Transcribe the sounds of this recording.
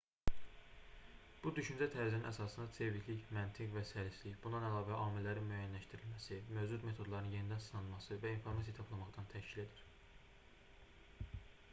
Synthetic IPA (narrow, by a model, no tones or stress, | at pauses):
b̥ud̪yʃynd͡ʒæt̪ʰæɾizæninæsɑsɯnd̪ɑse̞vicliçmænt̪ʰiɣvæsæɾisliçbund̪ɑnælɑːvæʔɑːmilːæɾinmyæːjænlæʃt̪iɾilmæsimø̞vd͡ʒud̪me̞t̪ʰo̞d̪lˠɑɾɯnje̞nid̪ænsɯnɑnɯnmɑsɯvæinfo̞ɾmɑs̬ijɑt̪ʰɑpʰlˠɑmɑχd̪ɑnt̪ʰæʃcile̞d̪iɾ̥